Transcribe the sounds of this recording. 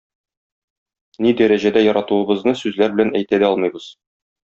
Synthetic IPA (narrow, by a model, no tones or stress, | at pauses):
nid̪æɾæʑæd̪æjɒɾɑt̪uɤ̆bɤ̆znɤsʉzlæɾbɘ̆lænæjt̪æd̪æɒlˠmɤjbɤz̥